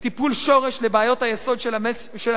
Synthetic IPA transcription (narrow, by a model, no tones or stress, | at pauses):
t̪ipulʃo̞ʁeʃlebeajo̞t̪hajeso̞d̪ʃʃe